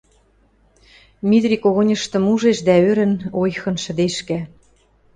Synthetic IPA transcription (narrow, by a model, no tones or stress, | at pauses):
mit̪rʲikoɣonʲə̆ʃt̪ɤ̆muʒeʃd̪æøɾɘ̆nojxɤ̆nʃə̆d̪eʃkæ